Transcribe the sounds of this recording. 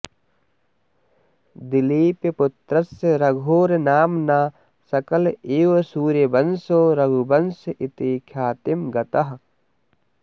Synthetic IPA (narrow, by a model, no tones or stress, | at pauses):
d̪ɪliːpepʊt̪ɾɐseɾɐɡʱoːɾnaːmnaː | sɐkɐleːʋɐsuːɾjebɐnsoːɾɐɡʱubɐnsʔɪt̪eːkʰjaːt̪imɡɐt̪ɐɦ